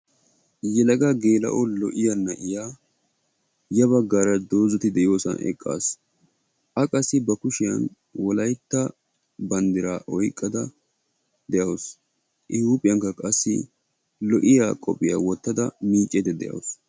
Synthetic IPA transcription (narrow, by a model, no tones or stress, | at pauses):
jɛlɐɡɐɡe̞ːlɐ̰ʔɔlɔʔɪjɐnːɐʔɪjaː | jɐβɐɡːaːɾɐd̪o̞ːzɔt̪ɪd̪ɛʔɪjoːsɐ̰nʔɛ̰kʼːa̰ːs | ʔɐkʼɐsːɪbɐkʊʃɪjɐ̰n | wɔlɐjt̪ːɐ | bɐnd̪ɪɾaːʔɔjkʼːɐd̪ɐ | d̪ɛʔɐws | ʔɪhuːpʼɪjɐŋkɐkʼɐsːɪ̰ | lɔʔɪjaːkʼɔ̰pʼːɪjawɔt̪ːɐd̪ɐmiːt͡ʃʼːɛd̪ɛd̪ɛ̰ʔɐ̰ws